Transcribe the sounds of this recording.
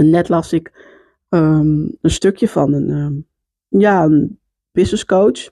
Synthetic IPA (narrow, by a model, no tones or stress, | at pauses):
ənɛtlɑsɪk | əənstøkʰjəfɔ̰nən | jaən | b̥ɪsnəskowt͡ʃ